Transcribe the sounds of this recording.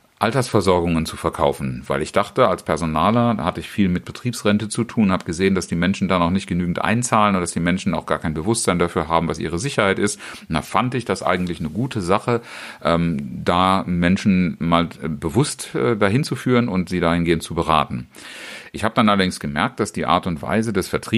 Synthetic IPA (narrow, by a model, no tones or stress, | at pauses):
ʔaltɐsfɛɐzɔɐɡʊŋənt͡sufɛɐkʰaʊfn̩vaɪlɪçd̥aχtəalspʰɛɐzonaːlɐda̰hatəɪçfiːlmɪt̚b̥ətʁ̥iːpsʁɛntət͡sutʰuːnhaːbəɡ̥əzeːəndasd̥iːmɛnʃn̩daːnɔχnɪçt̚ɡ̥ənyːɡŋ̩tʔa̰ɪnt͡saːlənʊndd̥asd̥iːmɛnʃn̩aʊxɡ̥aːɐkʰaɪnbəvʊstz̥aɪndafyːɐɦaːbm̩vasʔiːʁ̞əzɪçɐhaɪtɪstnafandɪçd̥asʔa̰ɪɡŋ̩tlɪçnəɡuːtʰəzaχəʔɛːmdaːmɛnʃn̩maːlbəvʊstʔɛːdaːɦɪnt͡sufyːʁənʊntz̥iːdaːhɪnɡeːəntt͡subəʁa̰ːtn̩ | ʔɪçhaːbəd̥anʔalɐdɪŋsɡ̥əmɛɐk̚t̚d̥asd̥iːʔa̰ːɐtʊntv̥a̰ɪzədɛsfɛɐtʁ̥iː